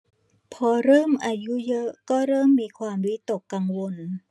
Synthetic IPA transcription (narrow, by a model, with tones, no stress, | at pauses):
pʰɔː˧ɾɤː˥˩mʔaː˧ju˦˥jɤ˦˥ʔkɔː˥˩ɾɤː˥˩mːiː˧kʰwaː˧mwi˦˥t̪o˨˩kːa˧ŋwo˧n